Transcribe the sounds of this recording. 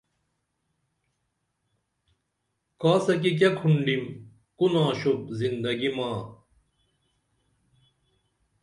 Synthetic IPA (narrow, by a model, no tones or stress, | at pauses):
kaːsɐk̬ik̬ɐkʰuɳɖim | kunãːɕup̚zind̪ɐɡimaː